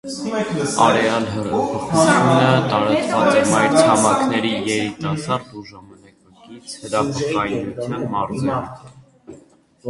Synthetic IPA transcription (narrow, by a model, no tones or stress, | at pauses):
ɑɾɛɑlɦərəpʰɔχut͡sʰjunət̪ɑɾɑt͡svɑt͡sɛmɑjɾtʰɑmɑknɛɾijɛɾit̪ɑsɑrd̪uʒɑmɑnɑkɑkit͡sʰhəɾɑpʰɔkɑjnut͡sʰjɑnmɑrzɛn